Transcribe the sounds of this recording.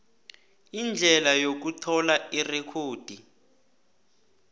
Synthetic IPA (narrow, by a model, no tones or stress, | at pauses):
ind͡ɮʱɛlajok̬utʰɔlairɛkʰoːd̥ʱi